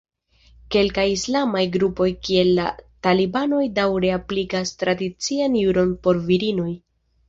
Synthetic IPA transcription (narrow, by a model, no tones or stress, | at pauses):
ke̞lkajislamajɡɾupo̞jkie̞lːatalibano̞jdawɾe̞aplikastɾadit͡sianjuɾo̞npo̞ɾviɾino̞j